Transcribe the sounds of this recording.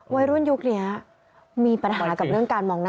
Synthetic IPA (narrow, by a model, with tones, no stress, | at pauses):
wa˦˥jɾu˥˩ə˨nju˦˥k̚ni˦˥ɐ | miː˧pa˧nɦaː˨˧˩ka˨˩p̚ɾɯ˥˩əŋkaː˧nmɔː˧ŋna˥